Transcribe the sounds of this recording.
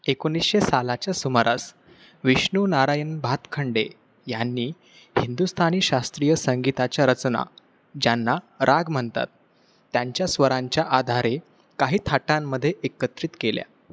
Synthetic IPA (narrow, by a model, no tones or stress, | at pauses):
ekonisɕesalat͡ɕjasuməɾas | ʋiɕɳunaɾajənbʱat̪kʰəɳɖe | janːiː | hind̪ust̪ʰaniːɕast̪ɾijəsəŋɡit̪at͡ɕjaɾət͡sna̰ | d͡ʑjanːa | ɾʔaɡm̤əɳt̪a̰t̪ː | jaɲt͡ɕjasʋəɾãɲt͡ɕjaʔad̪ʱaɾe | kaɦiːt̪ʰaʈãmːəd̪ʱːjeʔekət̪ɾit̪kelja̰